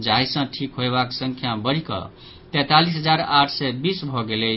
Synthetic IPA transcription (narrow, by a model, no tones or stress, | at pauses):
d͡ʒajsʌ̃ʈʰikɦoebaksəŋkʰjabʌɾikʌ̰ | t̪ɛ̃t̪alisɦəd͡zaɾaʈʰsɛjbisbʱɔɡele